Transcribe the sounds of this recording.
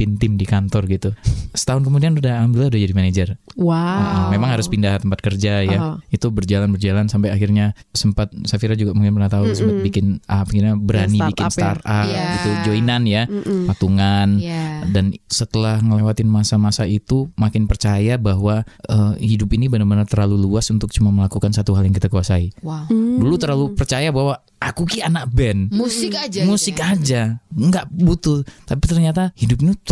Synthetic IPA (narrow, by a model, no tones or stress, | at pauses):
pint̪ɪmdikant̪ɔrɡit̪usə̥t̪aɦʊnkəmudianudamdilahudahd͡ʒadimaned͡ʒərwaəʔəmemaŋhaɾʊspindaɦt̪əmpat̪̚kərd͡ʒajait̪ubərd͡ʒalanbərd͡ʒalansampajaxɪrɲasəmpat̪̚safiɾad͡ʒuɡaʔmukɪnpənat̪ausəmpat̪̚bikɪnapakirɲabəɾansinbikɪnst̪aɾapɡit̪ud͡ʒoinanjapat̪uŋandansət̪əlahŋəlewat̪ɪnmasamasait̪umakɪnpərt͡ʃajabaɦwaəhidupinibənabənart̪ərlaluluasunt̪ʊk̚t͡ʃumaməlakukansat̪uɦaljaŋkit̪akuasaidulut̪ərlalupərt͡ʃajabaɦwa | ʔakukianak̚bɛnmusɪkad͡ʒmusɪkad͡ʒaŋɡaʔbut̪ʊlt̪apit̪ərɲat̪ahidup̚ɲt̪